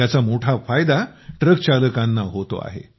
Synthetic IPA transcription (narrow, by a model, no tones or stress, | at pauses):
at͡samoʈʰafajd̪aʈɾəkt͡ɕaləkãnːaɦot̪o̰a̰ɦḛ